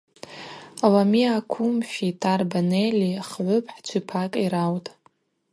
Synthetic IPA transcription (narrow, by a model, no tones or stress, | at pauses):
alamiakʷʰumʃᶣitʰʼarbaneliχʕʷʊpʰʼħt͡ʃʷʰipʰakʼiɾawtʼ